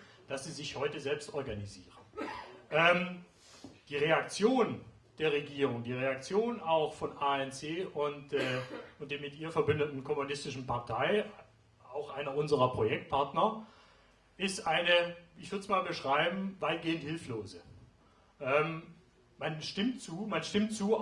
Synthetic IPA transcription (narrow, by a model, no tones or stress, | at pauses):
d̥asz̥iːzɪçhɔʏtəzɛlpstɔɐɡaniziːʁəʔɛːm | d̥iːʁeak̚t͡sjoːn | d̥eːɐʁeɡiːʁ̞ʊŋd̥iːʁ̞eak̚t͡sjoːnaʊxfɔnʔaːɛnt͡seːʔʊntː | ʊntd̥eːɐmɪtʔiːɐfɛɐbʏndətn̩kʰɔmunɪstɪʃn̩paɐtʰaɪ | aʊxʔaɪnɐʊnzəʁɐpʁ̥ojɛk̚t̚pʰaɐtnɐ | ʔɪstʔaɪnəɪçv̥ʏɐdə̥smaːlbəʃʁ̥aɪbm̩vaɪt̚ɡ̥eːənthɪlfloːzə | ʔɛːm | manʃtɪmtt͡suːmanʃtɪmtt͡suː